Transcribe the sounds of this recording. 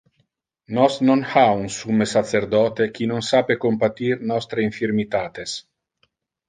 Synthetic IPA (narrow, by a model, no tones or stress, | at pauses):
nɔsnonhaunsumesat̪seɾd̪ɔːt̪ek̟inonsaːpekompat̪irnɔst̪ɾeiɱfiɾmit̪aːt̪es